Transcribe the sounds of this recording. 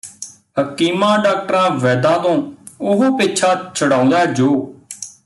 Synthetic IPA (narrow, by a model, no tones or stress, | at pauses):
həkiːmãːɖaːk̚ʈəɾãːʋɛːd̪ãːt̪õːʊɦopɪt͡ʃʰaːt͡ʃʰəɽãːʊ̃nd̪aːd͡ʒoː